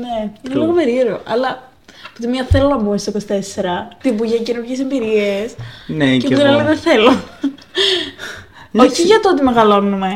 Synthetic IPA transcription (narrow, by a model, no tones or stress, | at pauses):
neineliɣo̞pe̞ɾieɾeo̰ʔɐlɐ | pot̪imiɐθe̞lonɐbumest̪okosi̥t̪ese̞ɾɐt̪ibuʝɐcenuɾcesembiɾiesneceot̪inɐleneθe̞lo | oçiʝɐt̪oot̪ime̞ɣɐlo̞nume̞